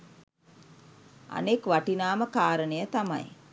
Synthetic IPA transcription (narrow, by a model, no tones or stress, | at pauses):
a̰nekʋaʈinaːməkaːɾənəjət̪ama̰j